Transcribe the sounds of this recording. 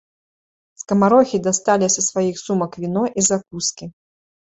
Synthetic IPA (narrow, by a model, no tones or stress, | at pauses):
skɐmaɾɔxʲid̪ast̪alʲisɐsvajixsumɐkvʲinɔʔizak̚uskʲi